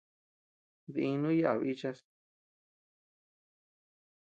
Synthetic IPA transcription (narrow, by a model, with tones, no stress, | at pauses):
ði˧ĩ˧nũ˦ja˦ʔa˨βi˦t͡ʃa˧s